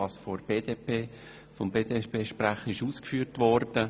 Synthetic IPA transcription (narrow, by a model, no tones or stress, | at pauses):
ɑsfɔɾb̥eːdepeː | fɔmbeːdepeːʃpɾaχəɪʃuːskfyːɾtvɔɾd̥ə